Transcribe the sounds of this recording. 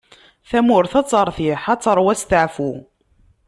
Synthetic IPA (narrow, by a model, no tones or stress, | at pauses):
θæmʊɾθɑt͡sˤːəɾˤθiħɑt͡sːəɾˤwæst̪əʕfu